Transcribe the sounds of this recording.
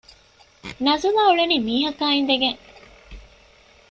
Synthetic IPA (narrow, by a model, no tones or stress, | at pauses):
nɐzulaːuɭeniːmiːɦɐkaːind̪eɡeŋ